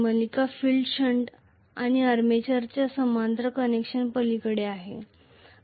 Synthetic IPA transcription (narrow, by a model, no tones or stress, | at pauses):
məlikafilɖɕəɳʈ | aɽ̃iəɾmet͡ɕaɾt͡ɕasəmant̪ɾəkənekɕənpəlikəɽeaɦḛ